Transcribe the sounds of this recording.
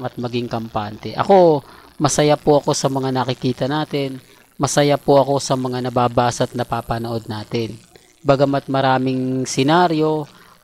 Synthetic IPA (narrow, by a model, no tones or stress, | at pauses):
ɐt̪̚mɐɡɪŋkɐmpaːnt̪ɛʔɐ̰ko̞ | mɐsɐjapoʔɐko̞sɐmɐŋanɐkɪkiːt̪ɐnaːt̪ɪn | mɐsɐjapoʔɐko̞sɐmɐŋanɐbaːbaːsɐt̪̚nɐpaːpɐnoʔo̞d̪̚naːt̪ɪn | bɐɡɐmɐt̪̚mɐɾaːmɪŋsɛnaːɾjo̞